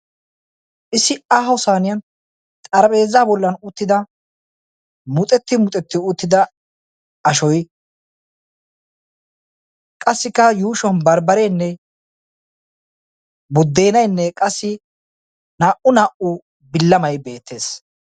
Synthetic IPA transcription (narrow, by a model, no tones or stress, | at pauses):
ʔɪsɪʔaːɦɐwsaːnɪjɐn | t̪ʼɐɾɐpʼe̞ːzːaːbɔlːɐnʊt̪ːɪd̪ɐ | mʊt̪ʼɛt̪ːɪmʊt̪ʼɛt̪ːɪʊt̪ːɪd̪ɐ | ɐʃɔj | kʼɐsːɪkːɐjuːʃwɐnbɐɾbɐɾɛjnːɛ | bʊd̪ːeːnɐjnːɛkʼɐsːɪ | naːʔʊnaːʔʊ | bɪlːɐmɐjbe̞ːt̪ʰːe̞ːs